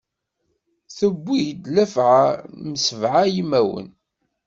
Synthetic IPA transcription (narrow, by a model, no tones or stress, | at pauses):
θəbʷːijd̪læfʕaməsəvʕajimːæwə̰n